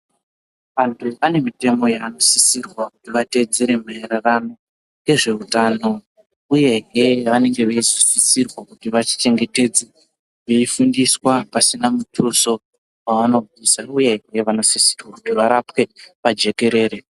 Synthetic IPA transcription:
ʋantʰuʋane̞mite̞mo̞jaːno̞sisirwakutiʋate̞d͡zeɾe̞maerarano̞ | ŋe̞ʐe̞utaːno̞ | uje̞ɦeʋane̞ŋɡe̞ʋeissisirwakutiʋat͡ʃi̥t͡ʃe̞ŋɡe̞te̞d͡ze | ʋeifundiswapasinamutʰuso̞ | waʋano̞vʱisauje̞ɦe̞ʋano̞sisi̥rwakutiʋaɾapke̞pad͡ʒe̞ke̞ɾe̞ːɾe

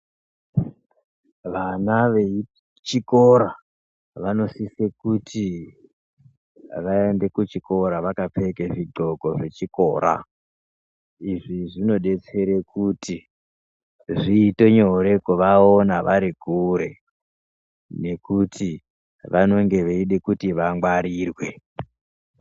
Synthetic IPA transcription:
ʋanaʋei | t͡ʃiko̞ɾa | ʋano̞sisekutʰi | ʋae̞nde̞kut͡ʃiko̞ɾaʋakap͡fekeʐiɡ͡ǃo̞ko̞ʐe̞t͡ʃiko̞̰ːɾa̰ | iʐiʐino̞ɗe̞t͡se̞ɾekutʰi | ʐiːte̞ɲoɾe̞koʋaonaʋaɾikuɾe̞̰ | ne̞kuti | ʋano̞ŋɡe̞ʋeiɗekutiʋaŋɡwaɾiːrwe̞

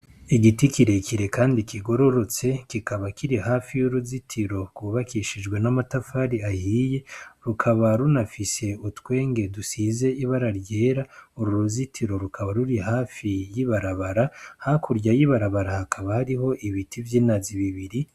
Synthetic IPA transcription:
iɡitikiɾe̞kʰiɾe̞kaːndikʰiɡo̞ɾo̞ɾo̞t͡se̞kikaβakiɾihaːfijuɾuzitʰiɾo̞ɡwuβakiʃid͡ʒɡwe̞namatafaɾiahiːje̞ɾukʰaβaɾunafise̞utwe̞ːŋɡe̞dusize̞iβaɾaɾɟe̞ːɾauɾuɾuzitʰiɾo̞ɾukʰaβaɾuɾihaːfijiβaɾaβaɾahakuɾɟajiβaɾaβaɾahakʰaβahaɾiɦo̞ʔiβitʰivjiːnaziβiβiɾi

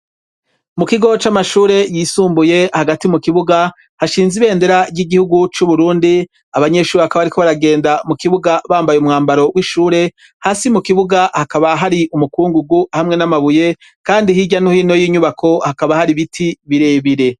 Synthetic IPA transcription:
mukiɡo̞t͡ʃamaʃuːɾe̞jisuːmbuje̞haɡatimukiβuɡa | haʃiːnziβe̞ːnde̞ɾabjɟiɡihuɡut͡ʃuβuɾuːndi | aβaɲe̞ʃuːɾeakaβaɾikoβaɾaɡe̞ːndamukiβuɡaβaːmbajumŋaːmbaɾo̞wiʃuːɾe̞ | haːsimukiβuɡahakaβaɦaɾiʔumukuːŋɡuɡuhamŋe̞namaβuje̞ | kaːndihiɟanuhiːno̞jiːɲuβakʰo̞hakaβahaɾiβitʰiβiɾe̞ːβiɾe̞

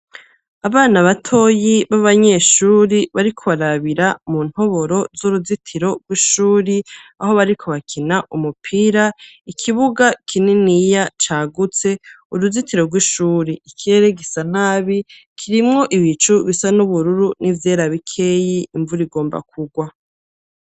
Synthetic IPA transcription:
aβaːnaβatʰo̞jiβaβaɲeʃuːɾiβaɾikʰo̞βaɾaβiɾamun̥ho̞βo̞ɾo̞zoɾuzitʰiɾo̞ɡwiʃuːɾiaho̞βaɾikʰo̞βakʰinaʔumupʰiɾa | ikʰiβuɡakʰininijat͡ʃaːɡut͡se̞ | uɾuzitiɾo̞ɾɡwiʃuːɾiikʰiɾe̞ɾeɡisanaːβi | kʰiɾimŋo̞ʔiβit͡ʃuβisanuβuɾuɾunʔivje̞ːɾaβikʰe̞jiʔːɱvuɾiɡo̞ːmba̰k̚uɡwa

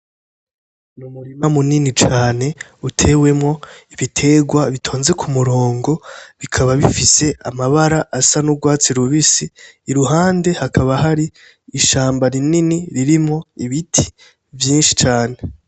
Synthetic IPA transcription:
numuɾimamuninit͡ʃaːne̞ | utʰe̞we̞mŋo̞iβitʰe̞ːɡwaβitʰo̞ːnze̞kʰumuɾo̞ːŋɡo̞βikʰaβaβifise̞amaβaɾaʔːsanuɡwaːt͡siɾuβisiːɾuɦaːnde̞hakʰaβaɦaɾiː | ʃaːmbaɾininiɾiɾimŋo̞iβitʰi̥ | vjiːnʃi̥t͡ʃaːne̞

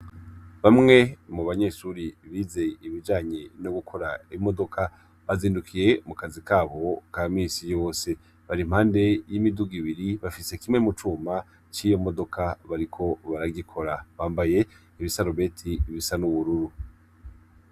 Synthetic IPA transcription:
βamŋe̞muβaɲe̞ʃuɾiβize̞iβid͡ʒaːɲe̞noɡukʰo̞ɾaimo̞do̞kʰa | βaziːndukʰije̞mukazikaːβo̞kaːmiːsijo̞ːse̞ | βaɾimhaːnde̞jimiduɡiβiɾiβafise̞kimŋe̞mut͡ʃuːma | t͡ʃiːjo̞mo̞do̞kʰaβaɾikʰo̞βaɾaɡikʰo̞ɾaβaːmbaje̞ | iβisaɾoβe̞tʰiβisanuβuɾuɾu

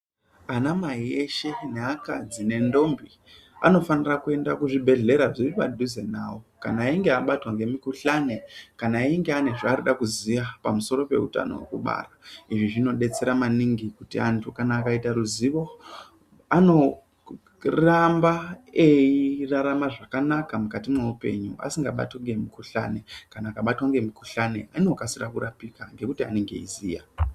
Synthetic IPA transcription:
anamaie̞ʃe̞neakad͡zine̞ndo̞mbi | a̰no̞fanirakue̞ndakuʐibʱe̞ɮe̞ɾaʐiripa̰dʱuze̞naːwokanaiŋɡeaɓatwaŋɡe̞mikuɬanekanaiŋɡeane̞ʐaːɾuɗakuziʋapamuso̞ɾo̞pe̞̰ṵta̰no̰wḛkuɓa̰ːraiʐiʐino̞ɗe̞t͡se̞ɾamaniŋɡikutiantʰukanaːkaitaɾuziʋo̞ | ano̞ | rambaeiraɾamaʐakanakamukatimweupe̞̰ɲṵa̰siŋɡaɓa̰tweŋɡe̞mikuɬa̰ne̞kanaːkaɓatwaŋɡe̞mikuɬane̞ano̞kasirakuɾapikaŋɡe̞kutia̰neŋɡe̞̰ḭzḭːja̰

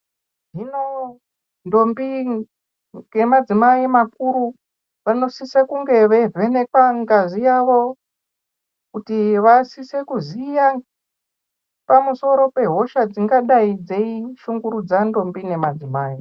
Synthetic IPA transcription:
ʐino̞ | ndo̞mbi | ŋe̞mad͡zimaimakuɾu | ʋano̞sisekuŋɡe̞ʋe̞ve̞ne̞kwaŋɡazijaʋo̞ | kutiʋasise̞kuzija | pamuso̞ɾo̞pe̞ɦo̞ʃad͡ziŋɡaɗaid͡ze̞iʃuŋɡuɾud͡zando̞mbine̞mad͡zimaːi

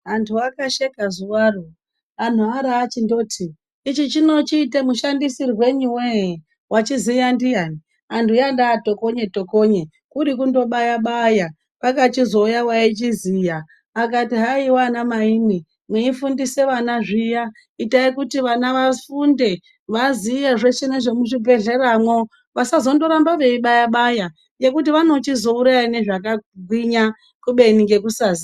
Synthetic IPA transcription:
ɦantʰuakaʃekazuwaːro | an̤uaɾaːt͡ʃindo̞ːtʰiː | t͡ʃit͡ʃino̞t͡ʃiːtemuʃandisirwe̞ɲuweje | wʔat͡ʃizijandijani | antʰujandaːto̞ko̞ɲe̞to̞ko̞ɲe | kuɾikundo̞ɓajaɓaja | pakat͡ʃizo̞ujawait͡ʃizija | akatiɦaiwanamaini | mweifundise̞ʋanaʐija | itaikutiʋanaʋafunde̞ | ʋazijeʐe̞ʃeneʐemuʐibʱe̞ɮe̞ɾamwo | ʋasazo̞ndo̞ɾambaʋe̞iɓajaɓaja | je̞kutiʋano̞t͡ʃizo̞uɾajane̞ʐakaɡʱwiɲa | kuɓe̞niɡe̞kusaːzi

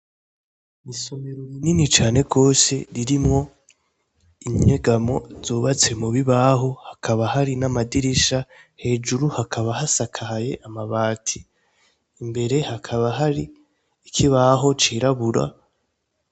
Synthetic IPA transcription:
miso̞meɾomininit͡ʃaːne̞ɡo̞ːse̞ɾiɾimŋo̞ | imɲɲe̞ɡamo̞̰z̥oːβat͡se̞muβiβaɦo̞hakʰaβahaɾinamadiɾiʃahe̞ːd͡ʒuɾuhakʰaβahasakʰahaje̞ʔamaβaːtʰiː | mbe̞ɾe̞hakʰaβaɦaɾiː | kʰiβaɦo̞t͡ʃiːɾaβuɾa̰

